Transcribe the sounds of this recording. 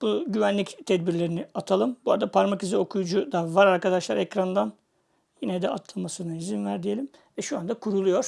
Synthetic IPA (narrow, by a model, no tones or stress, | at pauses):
b̥uɟyvænlʲict̪ʰɛd̪biɾlʲe̞ɾiniat̪ʰalˠɯmbua̰d̪apʰaɾmakizio̞kʰujud͡ʒud̪avaɾaɾkad̪aʃlˠa̰ɾɛcɾand̪an | jinɛd̪ɛa̰t̪ʰlˠamasɯnaizinvæɾd̪ije̞lʲimvɛʃuand̪akʰuɾulˠujo̞ɾ̥